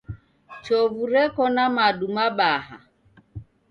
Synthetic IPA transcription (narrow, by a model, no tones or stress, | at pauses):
t͡ʃɔvuɾɛkɔnamaɗumaɓaɦa